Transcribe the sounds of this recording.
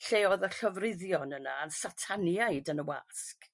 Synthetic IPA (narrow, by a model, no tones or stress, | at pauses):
ɬeːɔðəɬɔvrɪðjɔnənaːnsatʰanjaɨdənəwa̰sk